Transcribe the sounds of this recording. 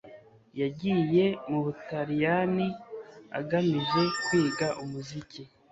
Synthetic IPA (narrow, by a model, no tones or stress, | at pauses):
jaɟije̞muβutaɾijania̰ɡamiʒe̞kwiːɡaʔumuzici